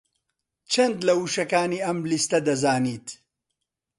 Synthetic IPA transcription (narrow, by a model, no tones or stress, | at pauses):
t͡ʃʰɐnd̪lɐwuʃɐkaːniːɐmlist̪ɐd̪ɐzaːniːt̪